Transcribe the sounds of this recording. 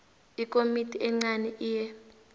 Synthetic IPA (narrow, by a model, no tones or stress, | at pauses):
ikʼomitʰʼiɛŋ͡ǀanɛʔiːjɛ